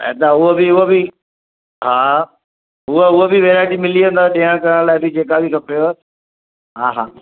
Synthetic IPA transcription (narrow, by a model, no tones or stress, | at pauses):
ɛ̰d̪aʊɦobiɦʊɦbɪ | ɦaː | ɦʊəʊɦobiʋeːɾaːd͡ʑimɪliũːnd̪aɗiːɦəɽ̃kɐɾəɽ̃laːɪbɪd͡ʑeːkabʱikʰɐpjo | ɦaːɦa̰ː